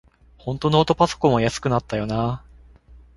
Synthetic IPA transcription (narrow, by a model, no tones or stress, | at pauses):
hõ̞nt̪o̞no̞ːt̪o̞paso̥kõ̞mːojasɨ̥kɯ̟nat̪ːajo̞naː